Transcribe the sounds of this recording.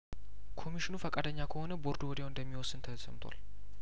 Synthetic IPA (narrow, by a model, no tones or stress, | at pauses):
kʰo̞miʃinufəkʼad̪əɲːakʰəho̞nəbo̞ɾd̪uwɔd̪eoɨnd̪əmːiwɔsɨnt̪ʰəsə̰mt̪ʰʷa̰l